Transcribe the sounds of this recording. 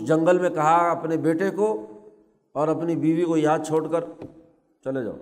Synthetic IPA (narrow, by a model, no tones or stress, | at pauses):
d͡ʒɐ̃ŋɡəlmẽkɐɦaɐpnebeːʈeko | ɔːɾɐpnibiːʋikojaːd̪̚t͡ʃʰoːʈkəɾ | t͡ʃɐled͡ʒa̰ːo